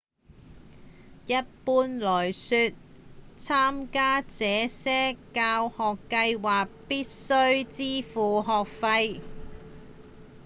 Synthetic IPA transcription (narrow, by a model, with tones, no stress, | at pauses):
jɐ˥t̚puː˥nlɔː˨˩jsyː˨˧t̚ | t͡sʰaː˥mkaː˥t͡sɛː˨˥sɛː˥kaː˧whɔː˨kːɐ˧jwaː˨k̚piː˥t̚sɵ˥ɥt͡siː˥fuː˨ɦɔː˨k̚fɐ˧j